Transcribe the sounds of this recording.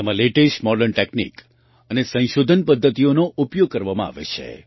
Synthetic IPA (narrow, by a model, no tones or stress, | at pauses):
emãleʈeʃmɔɖəɾɳʈeknḭk | ənesə̃ʃod̪ʱənpəd̪ʱːət̪ionoʔupjoɡ̚kəɾʋamãa̰ʋḛt͡ʃʰḛ